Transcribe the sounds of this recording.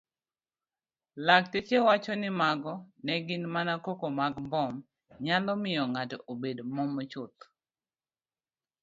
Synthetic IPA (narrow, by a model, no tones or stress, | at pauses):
lak̚tet͡ʃewat͡ʃɔnɪmaɡɔnɛɡɪnmanakokomaɡmbɔm | ɲalɔmɪjɔŋatɔʔobedmɔmɔt͡ʃʊt̪̚